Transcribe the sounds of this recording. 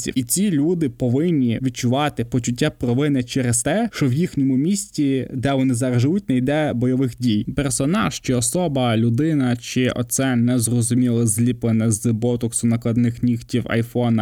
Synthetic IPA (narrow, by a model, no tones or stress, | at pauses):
sʲḭit͡sʲilʲud̪ɪpɔʋɪnʲːiʋʲid̪̚t͡ʃʊʋɑt̪ɪpɔt͡ʃʊtʲːapɾɔʋɪnɛt͡ʃɛɾest̪ɛʃt͡ʃɔwjixnʲɔmʊmʲisʲtʲid̪ɛʋɔnɪzɐɾɐʒɪjut̚ʲnɛjd̪ɛbɔjɔʋɪxdʲijpɛrsɔnɑʃt͡ʃɪɔsɔbɐlʲʊd̪ɪnɐt͡ʃɪʔɔ̰t̪sɛnɛzrɔzʊmʲilˠɐzʲlʲiplˠenɛzbɔt̪ʊksʊnɐklˠɐd̪nɪxnʲixtʲiwɐ̰jfɔnɐ